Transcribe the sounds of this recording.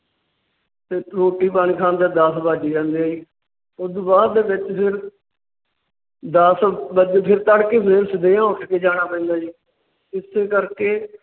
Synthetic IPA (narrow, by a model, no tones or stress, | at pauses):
t̪eːʈoːʈiːpaːñiːkʰãːnd̪aːd̪əsbaːd͡ʒiːd͡ʒãːnd̪eːaːiː | ʊd̪baːd̪eːbɪt͡ʃpʰɪɾ | d̪əsbəd͡ʒpʰɪɾt̪əɽkeːpʰɪɾsɪd̪eːãːʊʈʰkeːd͡ʒaːɽ̃aːpɛ̃ːnd̪aːd͡ʒiː | ɪsːeːkəɾkeː